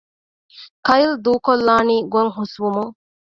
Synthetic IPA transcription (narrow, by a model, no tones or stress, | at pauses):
kɐjild̪uːkolːaːniːɡuɐŋɦusʋumuŋ